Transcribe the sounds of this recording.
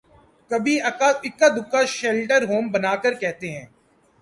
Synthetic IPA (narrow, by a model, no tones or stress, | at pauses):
kɐbʱiɐaɪkːad̪ʊkːaʃɛːlʈəɾɦoːmbɐnaːkəɾkɛɦt̪eɦɛ̃ː